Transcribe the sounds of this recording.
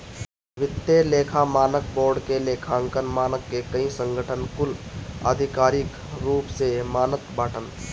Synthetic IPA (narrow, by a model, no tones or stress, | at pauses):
ʋɪt̪ːeleːkʰamaːnək̚boːɾɖkeleːkʰaəŋkənmaːnəkːekəĩsə̃ŋɡʱəʈʰənkʊlə̰d̪ʱɪkaːɾɪk | ɾuːpsemaːnət̪baːʈən